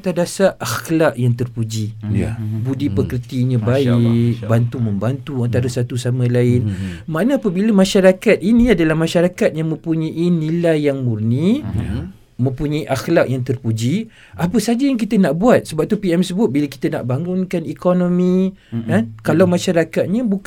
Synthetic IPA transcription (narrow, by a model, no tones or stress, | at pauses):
t̪adasaʔaxlaʔjaŋt̪ərpud͡ʒi | budipəkərt̪iɲə̃baɪk̚bant̪umə̃mbant̪uant̪aɾasat̪usamãlaɪnmanəapəbiləmaʃaɾakat̪̚inĩadalahmaʃaɾakat̪̚jaŋmə̃mpuɲaʔinilajːaŋmurni | mə̃mpuɲaiʔaxlaʔjaŋt̪ərpud͡ʒi | apəsad͡ʒajaŋk̬it̪ənaʔbuat̪̚səbap̚t̪upiɛmsəbʊt̪̚bilaki̥t̪əna̰ʔbaŋɡʊnkanikonõmĩkankalawmaʃaɾakat̪̚ɲə̃buk